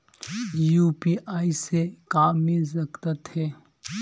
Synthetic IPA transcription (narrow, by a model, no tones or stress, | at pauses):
juːpiʔaːisekaːmːɪlsəkt̪at̪hɛː